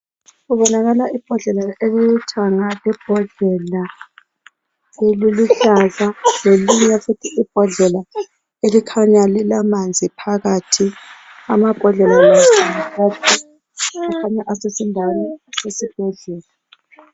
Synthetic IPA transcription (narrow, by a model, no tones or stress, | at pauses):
ɣuβɔnaɣalaʔib̥ʱɔɮɛlaeliitʰaŋalɛb̥ʱɔɮɛla | eliliɬazaleliɲɛfutʰiʔib̥ʱɔɮɛla | elikʰaɲalilamand͡zʱipʰaɣatʰi | amaɡ̥ʱɔɮɛlalasimaβatʰi | akʰaɲaʔasesindʱawnɛasesib̥ʱeɮuːla